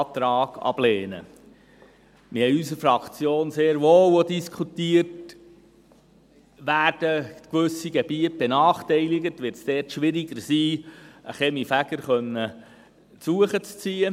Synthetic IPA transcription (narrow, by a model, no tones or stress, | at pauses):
t̪ɾɑːɡ̥ɑ̰b̥lɛːnə̰ | mɪhɛjysəɾfɾɑkt͡sjoːnseːɾʋoːwodiskʰut̪iːərt | ʋæːrd̥əkʋʏsːiɡɛbiːət̚b̥enɑːχtɛɪlɪɡətʋɪɾtsd̥ɛːtʃʋɪɾiɡəɾsiːəχɛmifæɡ̥əɾχœnːə | suəχət͡st͡siːə